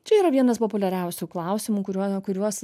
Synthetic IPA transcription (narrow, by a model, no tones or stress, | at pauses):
t͡ʃʲɛiːɾɐʋʲiɛnɐspopʊlʲɛɾʲɛʊsʲuːklˠɐʊsʲɪmuːkʊɾʲuɔkʊɾʲuɔs